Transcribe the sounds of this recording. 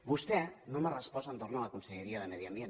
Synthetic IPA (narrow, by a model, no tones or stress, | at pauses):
bust̪enomərəspɔsaent̪oɾnoalakunseʎeɾiaðemeðiambjen